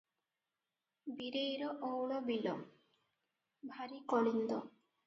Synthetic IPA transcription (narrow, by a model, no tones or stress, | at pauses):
biɾejɾɔʔowɭɔbilɔ̰ | bʱaɾikɔɽind̪ɔ